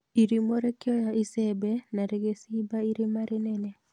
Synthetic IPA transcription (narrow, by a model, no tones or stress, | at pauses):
iɾimoɾekɪɔjaisɛbɛnaɾeɡesibaiɾimaɾɛnɛnɛ